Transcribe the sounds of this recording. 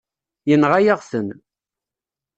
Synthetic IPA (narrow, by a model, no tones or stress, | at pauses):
jənʁajaʁsən